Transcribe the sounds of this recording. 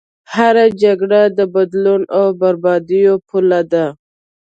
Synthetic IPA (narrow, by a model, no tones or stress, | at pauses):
haɾad͡ʒaɡɽad̪əbad̪lunawbaɾbɑd̪ijopʰulad̪a